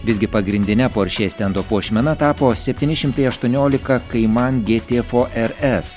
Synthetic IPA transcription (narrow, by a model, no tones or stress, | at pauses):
ʋʲɪsɡʲɪpɐɡɾʲɪnʲd̪ʲɪnʲɛpoːɾʲʃʲeːst̪ʲɛnd̪oːpoɔʃʲmʲɛnɐt̪ɑːpoːsʲɛpʲt̪ʲɪːnʲɪʃʲɪmt̪ɐɪɐʃt̪uɔnʲoːlʲɪkɐkɐɪmɐnɡʲeːt̪ʲeːfoːʔɛɾɛs